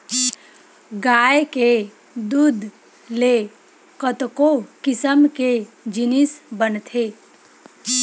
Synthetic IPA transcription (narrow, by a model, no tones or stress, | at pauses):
ɡajke | d̪ud̪ʱ | le | kət̪kokisəmke | d͡ʒinisbənt̪ʰe